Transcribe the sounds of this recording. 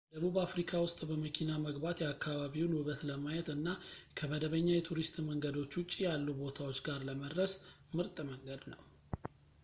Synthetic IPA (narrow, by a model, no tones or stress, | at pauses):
d̪əβuβafɾikʰawʊst̪ʼbəməkʰinaməɡbat̪jɛakːaβaβiwlhɨβət̪ləmajɛt̪ɨnːakʰəməd̪əβəɲːajɛt̪ʰuɾist̪ʼməŋɡəd̪o̞t͡ʃːwʊt͡ʃʼijalːubo̞t̪ʰawo̞t͡ʃːɡaɾləməd̪ɾəs | mɨɾt̪ʼməŋɡəd̪nə̰w